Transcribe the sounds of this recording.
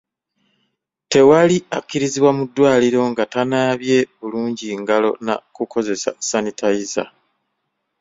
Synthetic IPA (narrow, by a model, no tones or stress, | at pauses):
te̞waliakːiɾiziβwamudːwaːliɾo̞ŋɡatanaːβje̞βuluːɲɟiŋɡalo̞̰na̰kukʰo̞ze̞sa̰sanitʰaiza̰